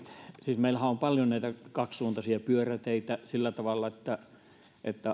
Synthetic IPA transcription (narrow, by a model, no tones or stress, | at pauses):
siːsmeilhæompɑljonæˑit̪ækɑkssuːnt̪ɑsiɑpyøræt̪eit̪æsilːæt̪ɑʋɑlːɑet̪ːæ | ʔḛt̪ːæ